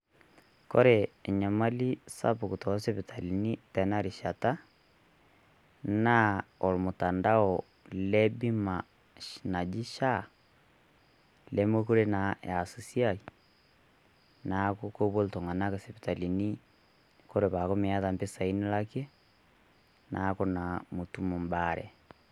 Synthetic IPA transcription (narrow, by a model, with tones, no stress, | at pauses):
ko̰˦ɾeː˨ɲa˨ma˦li˦sa̰˦pu˨ku˨tɔ˨˦se˦pi˨tʰa˨li˨ni˦tɛ˨na˦ɾi˨ʃa˨ta˦ | na˦o˨lmo˨ta˨nda˦ɔ˨ | le˦bi˦ma˨ | ʃna˨d͡ʒi˦ʃa˦ | le˦mwe˦ko˦ɾe˦na˨ja˨su˨si˦a˦i˨ | na˦koko˦βo˦lto˨ŋa˨na˦ka˨se˨βe˨ta˨li˨ni˦ | ko˦ɾe˨βa˨ko˦me˨a˦ða˨mbe˦sa˨i˦ni˦la˦ke˦ | na˨ko˦na˨mu˨tu˦mo˨mbaɾɛ̰˨